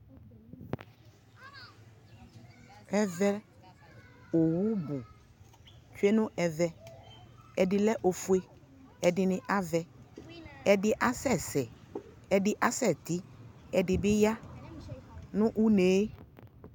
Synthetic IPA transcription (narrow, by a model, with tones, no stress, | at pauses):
ɛ˦vɛ˦ | o˨wu˦bʊ˨ | t͡ʃwe˦nʊ̃˦ʔɛ˨vɛ˦ | ɛ˨dɪ˨lɛ˦ʔo˨fu˨˦e˦ | ɛ˨dɪ˨nɪ̃˨ʔa˦vɛ˨ | ɛ˨dɪ˨ʔa˦sɛ˦˨sɛ˨ | ɛ˨dɪ˨ʔa˦sɛ˦˨t̪ɪ˦ɛ˨dɪ˨bɪ˦ja˦ | nʊ̃˦ʔu˦ne˨˦